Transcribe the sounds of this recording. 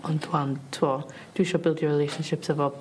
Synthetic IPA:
ʔɔ̃ndʰwamtʰɔ | d̥wiʃɔbɪlˠdjəɹɪlejʃə̃nʃɪpsəvɔ

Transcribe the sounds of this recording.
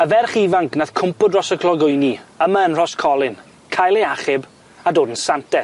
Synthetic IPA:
əvɛrχivaŋkʰnaðkʰʊmpʊdrɔsəkʰlɔɡʊjniəmaənr̥ɔskʰɔlˠɪn | kʰajlˠeaχɪb | adoːdən̩santɛ

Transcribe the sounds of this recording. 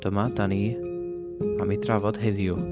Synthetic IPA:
d̥əmadaniː | amidravɔd̥ɦeðjʊ

